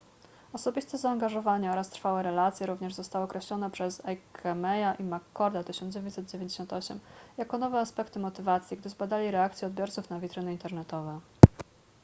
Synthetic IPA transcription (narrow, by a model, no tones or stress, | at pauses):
ɔsɔbʲist̪ɛzaːŋɡaʐɔvaɲɛɔɾast̪ɾfawɛɾɛlat̪sʲjɛɾuvɲɛʐzɔst̪awɔːɔkɾɛɕlɔnɛpʂɛzɛkʰɛmɛjaʔimakːɔɾd̪at̪ɘɕɔnd̪d͡ʑevʲeɲtʲsɛd̪̚d͡ʑevʲẽɲd͡ʑeɕɔnt̪ɔɕɛ̰mjakɔnɔvɛaspɛkt̪ɘmɔt̪ɘvat̪sʲjiɡd̪ɘzbad̪alʲiɾɛak̚t̪sjɛɔd̪̚bʲjɔɾt̪sufnavʲit̪ɾɘnɘint̪ɛɾnɛt̪ɔvɛ